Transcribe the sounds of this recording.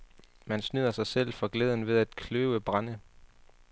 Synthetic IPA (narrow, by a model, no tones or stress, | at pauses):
mænsnyðˠɐsɑ̈ɪsel̰fɑ̈ɡ̥leːð̞ˠən̩ʋe̝ð̞ˠæd̥kʰløːʊəb̥ʁɑ̈nə